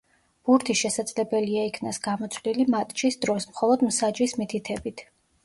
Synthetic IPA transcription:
b̥uɾt̪ʰiʃɛsad̪zlɛbɛliaikʰnasɡ̥amɔt̪sʰvlilimat̪ʼt͡ʃʰisd̪ɾɔsmχɔlˠɔd̪msad͡ʒismit̪ʰit̪ʰɛbit̪ʰ

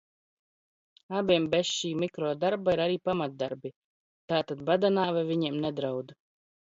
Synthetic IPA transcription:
abiɛmbɛsʃiːmikɾɔːd̪aɾbaiɾaɾiːpamat̪̚d̪aɾbi | t̪aːt̪ad̪bad̪anaːvavʲiɲɛɛmnɛd̪ɾawd̪

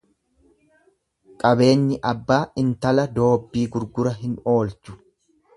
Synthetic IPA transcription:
kʼɐbe̞ːɲːɪʔɐbːaːʔɪnt̪ɐlɐd̪o̞ːbːiːɡʊɾɡʊɾɐɦɪno̞ːlt͡ʃʊ̥

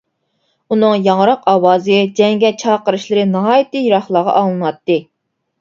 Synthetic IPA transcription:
unɨŋjɑŋɾɑqʰɑːwɑːzɨd͡ʒɛŋɡʲɛt͡ʃʰɑːqəɾɨʃlˠɨɾɨnɨɦɑːjit̪ɨjiɾɑχlˠɑʁɑ̰ʔɑŋlˠɨnwɑt̪ːɨ

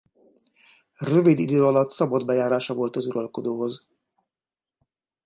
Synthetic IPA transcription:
røvid̪id̪øːɒlɒt̪sɒbɒd̪bɛjaːɾaːʃɒvo̞lt̪ɒzuɾɒlko̞d̪oːɦo̞z

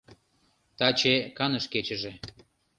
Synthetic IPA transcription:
t̪ɑt͡ɕekɑnəʃket͡ɕə̆ʒĕ

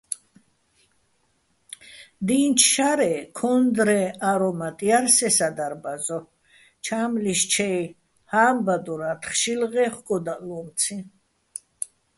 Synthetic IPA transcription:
d̪iːnt͡ʃʰʃaɾɛkʰɔnd̪ɾɛaɾɔmat̪ʼiaɾsɛsad̪aɾbazɔ | t͡ʃʰaːmliʃt͡ʃʰɛj | haːmbad̪ɔɾat̪ʰχʃilʁɛχkʼɔd̪alɔmt̪t͡sʰi

